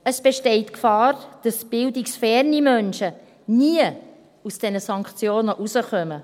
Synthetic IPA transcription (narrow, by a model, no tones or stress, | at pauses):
əsb̥eʃtɛɪtkfɑːrd̥ɑsb̥ɪldiksfɛɾnimœnʃə | niə | usd̥ɛnəsɑŋkχt͡sjoːnəʔusəχœmə